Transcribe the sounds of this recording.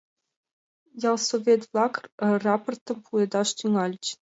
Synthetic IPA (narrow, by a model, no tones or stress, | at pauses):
jɑlˠsovʲet̪vlˠɑkrrɑport̪ɤ̆mpʰued̪ɑʂt̪yŋɑlʲt͡ɕ